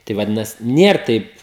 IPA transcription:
ˈtɐɪ ʋɐˈdʲɪnɐsʲɪ ˈnʲiɛr ˈtɐɪp

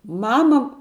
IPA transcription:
ˈmɑːmɐ

